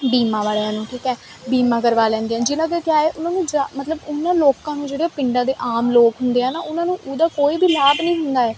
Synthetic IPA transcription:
biːmãːʋaːleãːnũːʈʰiːkɦɛː | biːmãːkəɾʋaːlɛ̃ːnd̪eãːd͡ʒɪnãːk̬ɪkɪjaːɛːʔʊnãːnũːd͡ʒamət̪ləbʊnãːloːkãːnũːd͡ʒeːɽeːãːpɪ̃ɳɖãːd̪eːʔaːmloːkɦʊnd̪eːɛ̃ːnaːʔʊnãːnũːʔʊd̪aːkoːiːbʱiːlaːbnəĩːɦʊnd̪aːɛː

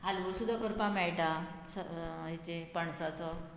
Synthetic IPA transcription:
ɦalʋusud̪ʱːakəɾpamɛɭʈasəɦit͡ɕepəɳsat͡sɔ

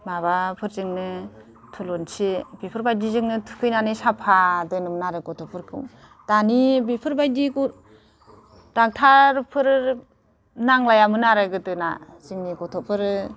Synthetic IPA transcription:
maβapʰɯɾzɯŋnɯ | tʰulɔnsibipʰɯɾbajdizɯŋnɯtʰu̥kʰɯjnanɯsapʰadɯnɯmnaɾɯɡɔtʰɔpʰɯɾkʰɯm | d̥anibipʰɯɾbajdiɡu | d̥aŋ̚tʰaɾpʰɯɾ | naŋlajamɯnaɾɯɡɯtɯna̰ | zɯŋniɡɔtʰɔpʰɯɾɯ

